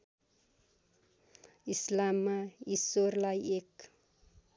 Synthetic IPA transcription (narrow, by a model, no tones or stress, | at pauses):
islamːaisorlajek